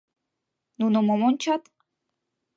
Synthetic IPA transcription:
nunomomont͡ɕʰɑt̪

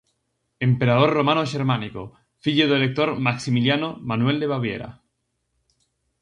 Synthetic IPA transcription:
empeɾað̞orromanoʃeɾmaniko̰ | fiʎoðelek̚t̪oɾmaksimiljanomanweld̪eβaβjḛɾa̰

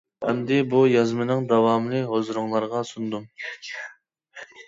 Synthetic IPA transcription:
ɛmd̪ɪbujɑzmɨnɨŋd̪ɑwɑːmlˠɨɦozɾuŋlˠɑɾʁɑsund̪um

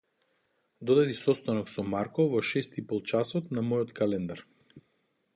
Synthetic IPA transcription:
d̪ɔd̪ad̪isɔst̪anɔksɔmaɾkɔvɔʃɛst̪ipɔlˠt͡ʃasɔt̪namɔjɔt̪kalɛnd̪aɾ

